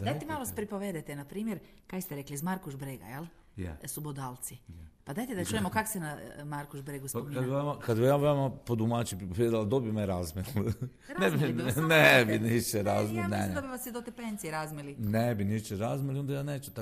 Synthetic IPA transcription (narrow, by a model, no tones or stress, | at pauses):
d̪d̪ajt̪emaloʋaspɾipoʋed̪et̪enapɾiːmjeɾ | kajst̪eɾeklizmaɾkuʒbɾeɡa̰jelˠ | jḛsubod̪alˠt̪sipad̪ajt̪ed̪at͡ʃujemokaksenamaɾkuʒbɾeɡuskad̪biamakad̪bijaʋamapod̪umat͡ʃipɾipoʋjed̪ilad̪obimeɾazmil | ɾnebinebiniʃt͡ʃeɾazmined̪obiʋasjid̪ot̪epenzieɾazmilinebiniʃt͡ʃeɾazmiliond̪ajaːneːt͡ʃut̪a